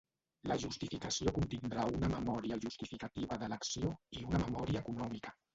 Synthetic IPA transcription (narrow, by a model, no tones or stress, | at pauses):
ləʒust̪ifikəsiokunt̪ind̪ɾaunəməmɔɾiəʒust̪ifikət̪iβəðələksioiunəməmɔɾiəːkunɔmikə̥